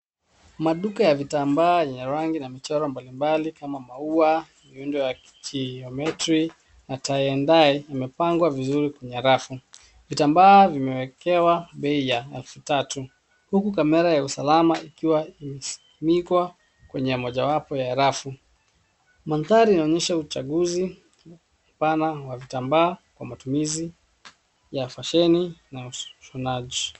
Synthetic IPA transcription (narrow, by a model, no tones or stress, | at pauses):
maɗukajavitambaːjɛɲɛɾaŋɡinamit͡ʃɔɾɔmbalimbalikamamaua | miundɔja | kiɔmɛtɾi | nataiɛndaijamɛpaŋɡwavizuɾikwɛɲɛɾafu | vitambaːvimɛwɛkɛwaɓɛijaɛlfutatu | hukukamɛɾajausalamaikiwaimɛsi̥imikwa | kwɛɲɛmɔʄawapɔjaɛɾafu | manθaɾiːnaɔɲɛʃaut͡ʃaɠuzi | m̩panawavitambaːkwa̰matumizi | jafaʃɛninauʃɔnaʄi